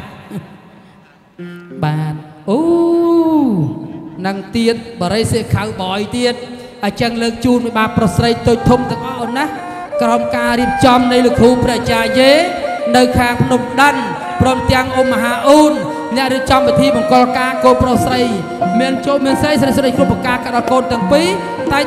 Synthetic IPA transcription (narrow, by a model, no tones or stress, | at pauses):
ɓaːn̚ʔoː | nɨŋt̪iət̪̚ɓɑːɾəjseːkʰawɓɔjt̪iət̪̚ | ʔat͡ɕəŋləːk̚t͡ɕuːnpiɓaːpːrohsrəjt̪oːc̚t̪ʰumt̪ɛ̆əŋʔɑhʔonah | krɑmkaːɾiəp̚t͡ɕɑmnɨjlukʰːuːprɛ̆əʔt͡ɕaːjeːnɨwkʰaːŋpʰnumɗən | prɔːmt̪ɛ̆əŋʔoːmːəɦaːʔuːnː | ɛ̆əʔriəp̚t͡ɕɑmpit̪ʰiːɓɑŋkŏəlkaːkoːnprohsrəj | miənt͡ɕomiənsrəjsɾəjsɾəjkruəprɑkaːkaɗɑlkoːnt̪ɛ̆əŋpiː | t̪aɛ